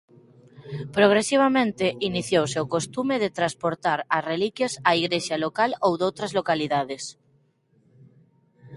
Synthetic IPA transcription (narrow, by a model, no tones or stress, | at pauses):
pɾoɣ̞ɾesiβ̞amẽnt̪eʔiniθjowseowkost̪umeð̞et̪ɾaspoɾt̪aɾasrelikjasaiɣɾeʃjalokalowðowt̪ɾazlokaliðaðes